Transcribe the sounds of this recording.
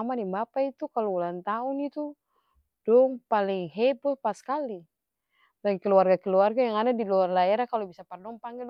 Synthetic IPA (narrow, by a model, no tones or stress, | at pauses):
amanimbapait̪ukalɔulant̪aunit̪u | dɔŋpaliŋɦɛbɔhpaskali | daŋkəluarɡakɛluarɡajaŋadadiluarlaɛɾakalɔbisapardɔŋpaŋɡil